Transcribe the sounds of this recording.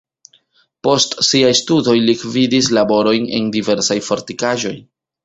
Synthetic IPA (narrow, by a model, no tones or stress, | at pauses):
po̞stsiajstudo̞jlikvidislabo̞ɾo̞jne̞̰ndive̞ɾsajfo̞ɾtikaʒo̞j